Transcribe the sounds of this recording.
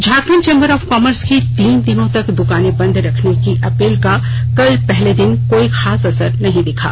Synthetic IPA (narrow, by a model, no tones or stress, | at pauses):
d͡ʒʱaːkmənt͡ʃẽːmbəɾɔːfkɔːməɾskit̪iːnd̪ɪnõt̪ɐkd̪ʊkaːnebɐ̃nd̪ʱɾɐkʰnekiʔɐpeːlka | kɐlpɛɦled̪ɪnkoːixaːsɐsəɾnɐɦĩd̪ɪkʰa̰ː